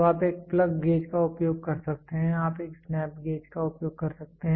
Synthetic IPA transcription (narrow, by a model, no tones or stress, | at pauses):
aːpeːk̚plɐɡːeːd͡ʒkaʊpjoːɡ̚kɐɾsɐk̚t̪eɦɛ̃aːpeːksnɛːp̚ɡeːd͡ʒkaʊpjoːɡ̚kɐɾsɐk̚t̪eɦɛ̃